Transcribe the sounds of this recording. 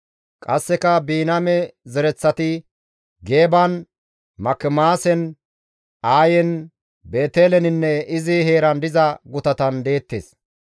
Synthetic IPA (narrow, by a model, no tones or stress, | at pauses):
kʼɐsːɛkɐbiːnɐmɛzɛɾɛt͡sːɐt̪ɪ | ɡe̞ːbɐn | mɐkːɛmaːsɛn | aːjɛn | be̞ːt̪eːlɛnɪnːɛɪzɪhe̞ːɾɐnd̪ɪzɐɡʊt̪ɐt̪ɐnd̪e̞ːt̪ːḛːs